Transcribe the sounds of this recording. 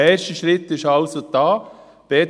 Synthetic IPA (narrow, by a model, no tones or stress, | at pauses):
ɛʃtəʃɾɪt̪ːɪʃɑlsod̪ɑː | b̥ɛ